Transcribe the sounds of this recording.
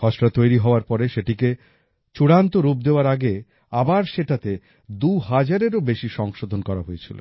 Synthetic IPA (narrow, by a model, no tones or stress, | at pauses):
kʰɔʃɾat̪ojɾiɦɔoaɾpɔɾeʃeʈike | t͡ɕuɽant̪oɾup̚d̪eoaɾaɡe | abaɾʃeʈat̪e | d̪uɦad͡ʑaɾeɾobeʃiʃɔŋʃod̪ʱonkɔɾa̰ɦojet͡ɕʰilo̰